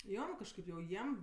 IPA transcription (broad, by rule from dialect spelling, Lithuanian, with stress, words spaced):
ˈjoː kɐʃˈkɐɪp jɛʊ ˈjiɛm